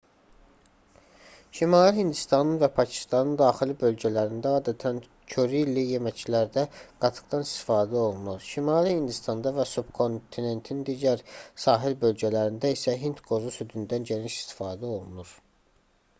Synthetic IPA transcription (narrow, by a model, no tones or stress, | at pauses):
ʃimɑːliɦind̪ist̪ɑnɯnvæpʰɑcʰi̥st̪ɑnɯnd̪ɑːxilibø̞lɟælæɾind̪æɑːd̪æt̪ʰæn | cʰøɾilije̞mæcʰilæɾd̪æɡ̥ɑt̪ʰɯ̥ɡd̪ɑnist̪i̥fɑːd̪æo̞lˠunuɾʃimɑːlihind̪ist̪ɑnd̪ɑvæsubkʰo̞nt̪ʰine̞nt̪ʰind̪iːɟæɾsɑːɦilbø̞lɟælæɾind̪æisæɦint̪ɡo̞zusyd̪ynd̪ænɟeniʃi̥st̪i̥fɑːd̪æo̞lˠunuɾ̥